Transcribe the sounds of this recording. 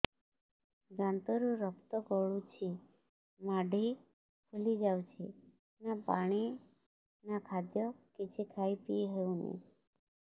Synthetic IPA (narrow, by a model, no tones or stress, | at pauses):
ɡãnt̪ɔɾũɾɔkt̪ɔɡɔɭut͡ʃʰi | maɖʱi | kʰulid͡ʒawt͡ʃʰi | napaɽ̃i | nakʰad̪jɔkit͡ʃʰikʰaipiɦeũnḭ